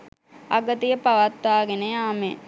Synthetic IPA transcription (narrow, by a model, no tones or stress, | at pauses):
a̰ɡət̪ijəpaʋat̪ʋaːɡenəjaːmḛ